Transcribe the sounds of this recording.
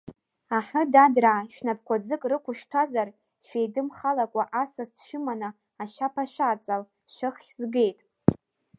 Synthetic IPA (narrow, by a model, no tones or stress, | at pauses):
aħʊdadraʃᶣnapkʷʰad͡zɨkʼrɨkʷʰʊʃᶣtʷʰazar | ʃᶣejdɨmχalakʷʼaʔasaztʰʃʊmana | aʃapʰaʃʷᶣaːt͡sʼal | ʃʷɨχzɡe̞jtʼ